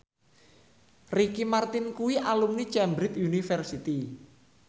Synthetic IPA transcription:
rikimart̪ɪnkuwiʔalumnit͡ʃɛmbɾɪt̪unifɛrsit̪i

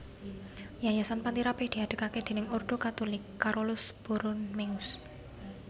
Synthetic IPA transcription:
jajasanpant̪iɾapɪhd̪̥i̤aɖ̪̥ə̤kaked̪̥e̤nɪŋɔrd̪̥o̤kat̪olɪkːaɾolʊsb̥uɾʊnmeʊs

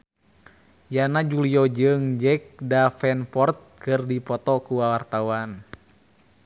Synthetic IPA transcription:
janad͡ʒuliɔd͡ʒɨŋd͡ʒɛk̚dafɛnpɔrt̪̚kɨrdipɔt̪ɔkuwawart̪awan

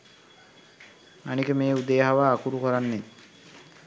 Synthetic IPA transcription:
anikemeːud̪ejɦaʋaːkuɾukɔɾanːe

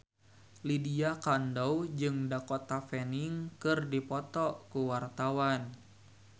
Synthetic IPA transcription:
lidiakandɔwd͡ʒɨŋdakɔt̪afɛniŋkɨrdipɔt̪ɔkuwart̪awan

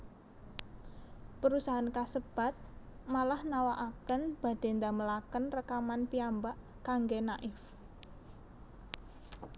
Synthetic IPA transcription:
pəɾusaɦankasəb̥a̤t̪̚malahnawaʔakənb̥a̤d̪̥e̤nd̪aməlakənrəkamanpiambaʔ | kaŋɡenaʔɪf

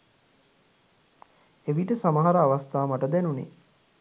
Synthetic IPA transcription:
eʋiʈəsamaɦaɾəaʋast̪aːmaʈəd̪ænunḛ

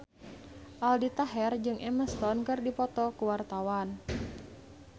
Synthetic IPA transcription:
ʔaldit̪aɦɛrd͡ʒɨŋʔɛməst̪ɔnkɨrdipɔt̪ɔkuwart̪awan

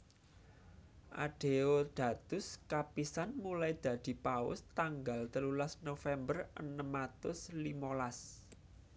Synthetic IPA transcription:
ʔa̰ɖ̥e̤od̪̥ä̤t̪ʊskapisanmulajd̪̥ä̤d̪̥i̤paʊ̰st̪aŋɡalt̪əlulasnofɛmbərʔənəmat̪ʊslimolas

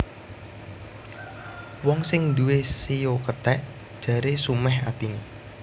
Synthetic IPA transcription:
wɔŋsɪŋd̪uwesijokət̪ɛʔ | d̥ʒ̥ä̤ɾesumɛɦa̰t̪ini

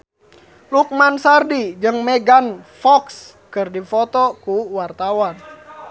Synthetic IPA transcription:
luk̚mansardid͡ʒɨŋmɛɡanfɔks | kɨrdifɔt̪ɔkuwart̪awan

